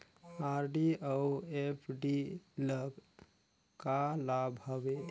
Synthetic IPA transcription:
aɾɖiəuepʰɖiləɡ | kalabʱɦəbe

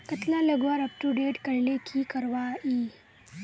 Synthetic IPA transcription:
kət̪lãləɡʋaɾəp̚ʈuɖeːʈkəɾlekʰikəɾʋai

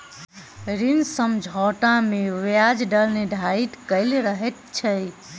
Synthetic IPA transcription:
ɾinsəmd͡ʒʱɔʈãmeʋjad͡ʒɖəlneɖʱait̪kəɪlɾəɦɛt̪̚t͡ʃʰəj

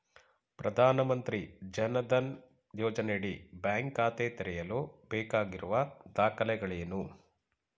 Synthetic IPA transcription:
pɾɐd̪ʱaːnɐmɐnt̪ɾid͡ʒɐnɐd̪ɐn | jɔːd͡ʒɐneɽibjaːŋkaːt̪eːt̪ɛɾɛjɐloːbɛːkaːɡiɾuʋɐd̪aːkɐlɛɡɐɭeːnu

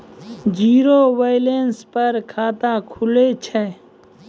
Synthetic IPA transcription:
d͡ʒiːɾoʋəɪlenspəɾkʰaːt̪akʰʊlet͡ʃʰɛː

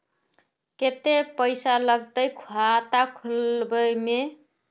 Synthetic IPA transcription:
ket̪epəjsaləɡt̪əjkʰuat̪akʰulbəjme

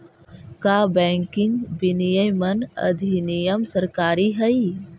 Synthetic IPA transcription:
kaːbɛ̃ːŋkɪ̃ŋɡbinijəjmɐnɐ̰d̪ʱinijəmsɐɾkaːɾiɦɐi

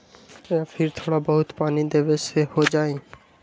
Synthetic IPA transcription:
eapʰɪɾt̪ʰoːɽabəɦʊt̪paːnid̪eːʋesehod͡ʒaːẽː

